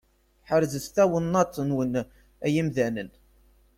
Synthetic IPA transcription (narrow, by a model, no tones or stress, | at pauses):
ħəɾzəsθæwənːɑt͡sˤːənwən | æjimðænən